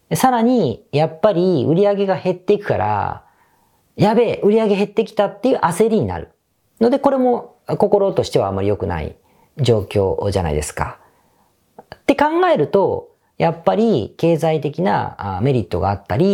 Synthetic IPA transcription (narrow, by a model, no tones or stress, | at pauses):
saɾaɲ̟ijapːaɾʲiɯɾʲiaɡe̞ɡahe̞t̪ːe̞ikɯ̟̥kaɾa̰ | jabe̞ʔɯ̟ɾʲiaɡe̞ɦe̞t̪ːe̞kʲi̥t̪at̪ːe̞jiɯ̟ːʔase̞ɾʲiɲ̟ina̰ɾɯ̟̰ | no̞d̪e̞ko̞ɾe̞mo̞ | ko̞ko̞ɾo̞t̪o̞ɕi̥t̪e̞βamːaɾʲijo̞kɯ̟na̰ḭ | d͡ʑo̞ːkʲo̞̰ːʑa̰na̰ḭd̪e̞sɨ̥ka̰ | t̪ːe̞kãŋɡae̞ɾɯ̟t̪o̞ | japːaɾʲike̞ːzait̪e̞kʲina̰me̞ɾʲit̪ːo̞ɡa̰ːt̪ːaɾʲi